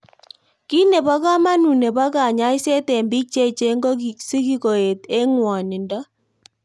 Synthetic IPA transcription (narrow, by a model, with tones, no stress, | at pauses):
ki˦ne˨pɔ˦ka˦ma˦nu˨ne˨bɔ˦ka˨ɲa˦ɪ˦se˦tɛ˨mbi˦k̚t͡ʃe˦t͡ʃe˦ŋɡo˦˨si˦ki˦ko˨e˨te˦ŋwɔ˨nɪ˨ndɔ˦